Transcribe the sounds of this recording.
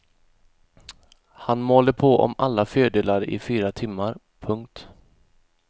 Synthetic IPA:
hanmoːləpʰoʔɔ̰malːaføːɖ̪eːlaɾəʔɪfyːɾat̪ʰɪmːaɾ | pʰɵŋk̚t̪

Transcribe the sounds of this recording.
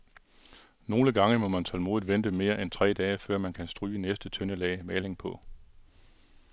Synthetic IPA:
no̝ːləɡ̥ɑ̈ŋəmɒ̽mænt͡sʰɒ̽lmo̝ːð̩ˠʋend̥əme̝ːɐʔent͡sʰʁɛ̰ːd̥ɛːfɶɐ̰mænkʰænsd̥ʁyːənesd̥ət͡sʰønəlɛ̰ːmɛːle̝ŋpʰɒ̽

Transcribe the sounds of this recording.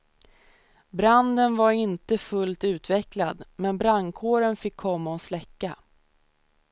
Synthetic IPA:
bɾand̪ənvaɾɪnt̪əfɵlt̪ʉ̟ːt̪vɛklad̪mɛnbɾankʰoːɾənfɪkʰːɔmːaɔslɛkːa

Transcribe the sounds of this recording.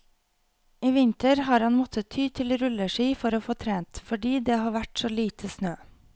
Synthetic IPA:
iːʋɪnt̪əɾhɑːɾhɑnmɔt̪ʰət̪ʰyːt̪ʰɪlɾʉləʃiːfɔɾoːfoːt̪ʰɾeːnt̪fɔɖiːd̪eːhɑːʋæʈsoːliːt̪ʰəsnøː

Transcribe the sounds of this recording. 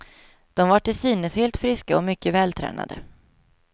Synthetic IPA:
d̪̥ɔmvaʈːɪsiːnəsheːlt̪fɾɪskaɔmʏkːəvɛːlt̪ʰɾɛ̰ːna̰d̪ə̰

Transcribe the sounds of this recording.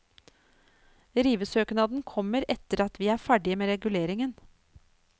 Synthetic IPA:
ɾiːʋəsøːknɑːd̪n̩kʰɔmːəɾɛt̪əɾɑt̪ʋiːæːɾfæɖɪəmeːɾɛɡʉleːɾɪŋən

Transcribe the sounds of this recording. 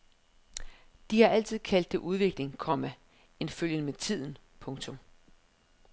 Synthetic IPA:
d̥ihɑ̈ʔæl̰t͡sʰið̞̰ˠkʰæl̰d̥ːe̝ʔuðˠʋe̝ɡ̥le̝ŋkʰɒ̽mæ | e̝nføljənəmet͡sʰið̰ˠn̩pʰɔ̽ŋt͡sʰɔ̽m

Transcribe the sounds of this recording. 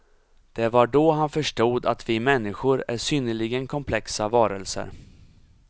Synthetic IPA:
d̪̥ɛvaɖɔɦanfœʂʈuːd̪a̰t̪vɪmɛnːɪɧʊɾæʂʏnːəɭɪɡənkʰɔmpʰlɛksavɑːɾəlsə̰ɾ

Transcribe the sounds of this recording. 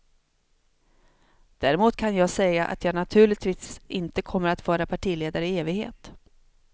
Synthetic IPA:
d̪̥æːɾɪmuːt̪kʰanjɑːɡsɛjaʔa̰t̪ʰjɑːɡnat̪ʰʉ̟ːɭɪɡ̚t̪viːsʔɪnt̪əkʰɔmːəɾat̪vɑːɾapʰaʈʰiːleːd̪aɾəɪeːvɪɡhḛːt̪

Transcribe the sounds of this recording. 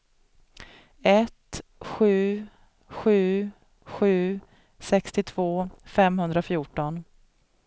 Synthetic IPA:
ɛt̪ɧʉ̟ː | ɧʉ̟ː | ɧʉ̟ː | sɛkst̪ɪt̪ʰvoːfɛmɦɵnd̪ɾafjuːʈɔn

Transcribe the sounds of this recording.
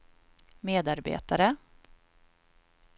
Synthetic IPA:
meːd̪aɾbḛːt̪aɾə

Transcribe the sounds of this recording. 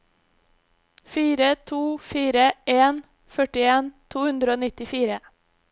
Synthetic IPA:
fiːɾət̪ʰuːfiːɾəeːn | fœʈɪeːnt̪ʰuːhʉnd̪ɾəoːnɪt̪ɪfiːɾə

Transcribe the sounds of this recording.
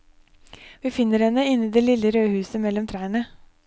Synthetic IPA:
ʋiːfɪnːəɾhɛnəɪnːiːd̪eːlɪləɾøːhʉːsəmɛlɔmt̪ʰɾæːɳə

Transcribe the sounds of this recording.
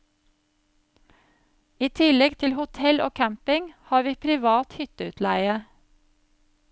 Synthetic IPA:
iːt̪ʰɪlɛɡt̪ʰɪlhʊt̪ʰɛlʔo̰ːkʰæmpɪŋhɑːɾʋiːpʰɾɪʋɑːt̪hʏt̪əʉːt̪ʰlæɪə

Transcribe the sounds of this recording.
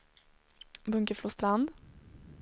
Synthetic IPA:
bɵŋkəfloːst̪ɾand̪

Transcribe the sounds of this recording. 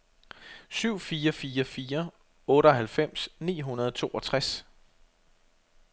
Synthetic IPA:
syʊ̰fiːɐfiːɐfiːɐ | ɔ̽ːɾəɒ̽ɦælfem̰snḭːɦunɐð̞ˠt͡sʰo̝̰ːʔɒ̽t͡sʰʁas

